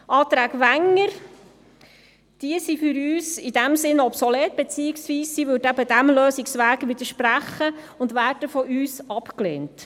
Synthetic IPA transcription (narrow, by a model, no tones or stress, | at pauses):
ʔɑːt̪ɾæːɡʋæŋːəɾ | d̥iəsifʏɾyːsid̥æmsɪnɔpsɔlɛːt̚b̥et͡siːɪksʋiːssiːʋøːdæbədæmløːsɪksʋæːɡʋɪd̥̪əɾʃpræχːə | ʊndʋæːrdəfɔʔyːsɑpklḛːnt